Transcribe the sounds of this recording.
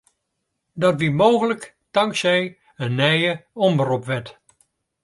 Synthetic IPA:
dɔtʋimoːɣələk | tɑŋksɛj | ənːɛjəɔmbərupʋɛt

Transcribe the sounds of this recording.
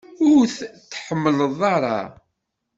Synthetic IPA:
ʊɾθθħəmːələðˤɑɾˤɑ̰

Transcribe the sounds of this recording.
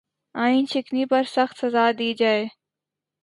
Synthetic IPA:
aːĩːnt͡ʃʰɪknipɐɾsɐxt̪sɐzaːd̪iːd͡ʒaːeː

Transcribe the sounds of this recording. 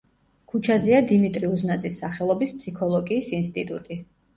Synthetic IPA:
kʰut͡ʃʰaziad̪imit̪ʼɾiuznat̪sʼisːaχɛlˠɔbispʰsikʰɔlˠɔɡiːsinst̪ʼit̪ʼṵt̪ʼi

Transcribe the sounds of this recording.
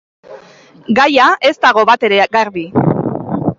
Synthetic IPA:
ɡajae̞zt̪aɣ̞o̞βat̪e̞ɾe̞ɣaɾβi

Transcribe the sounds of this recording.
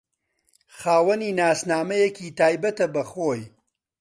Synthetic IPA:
xaːwɐniːnaːsnaːmɐjekʰiːt̪aːjbɐt̪ɐbɐxoːj

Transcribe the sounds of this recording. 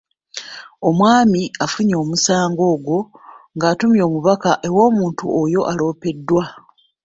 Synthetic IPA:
o̞mwaːmiafuɲo̞ːmusaːŋɡo̞ːɡwo̞ŋɡaːtumjo̞ːmuβakaʔe̞wo̞ːmuːntuojo̞ʔalo̞ːpe̞dːwa

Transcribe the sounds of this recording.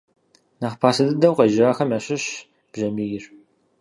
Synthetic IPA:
naːχpʰaːsɐdɨdɐwqɐʒɪaːxɐmɐɕɪɕ | b̥ʒɐmiːjɪr

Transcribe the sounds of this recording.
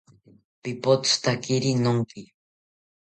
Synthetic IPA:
pipot͡st̪akiɾinoŋki

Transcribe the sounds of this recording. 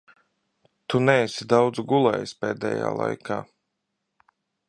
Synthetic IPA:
t̪unɛɛsid̪awd̪zuɡulˠɛ̰ːjsʲpɛːd̪ɛ̰ːja̰ːlˠa̰jkʰaː

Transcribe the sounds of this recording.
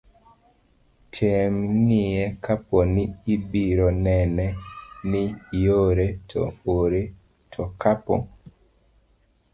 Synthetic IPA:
tʰemŋiɛkʰapɔnɪibiɾɔnɛnɛnɪjoɾetʰɔ̰oɾe | tʰɔkapɔ̰

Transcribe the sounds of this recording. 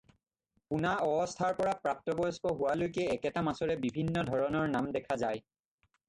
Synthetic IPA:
kunaɔbɔstʰaɹpɔɹapɹak̚tɔbɔjskɔɦʊwalojkɛːkɛtamasɔɹɛbibʱinːɔdʱɔɹɔnɔɹnamdɛkʰazaj

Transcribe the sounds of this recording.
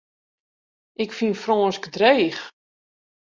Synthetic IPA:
ʔɪkfinfrɔːnskdreːx

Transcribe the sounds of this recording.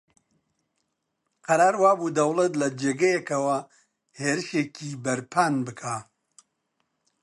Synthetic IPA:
qɐɾaːɾwaːbuːd̪ɐwlɐt̪lɐd͡ʒeːɡɐjɛkɐwɐ | heːɾɨʃeːkʰiːbɐɾpʰaːnbɨkʰaː

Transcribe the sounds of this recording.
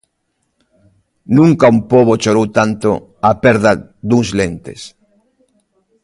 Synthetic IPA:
nũŋkaumpoβot͡ʃoɾowt̪ant̪o | apɛɾða | d̪uŋzlent̪ḛs

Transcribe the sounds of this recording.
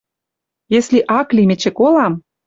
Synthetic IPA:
jesliʔɑklimet͡ɕĕkolɑm

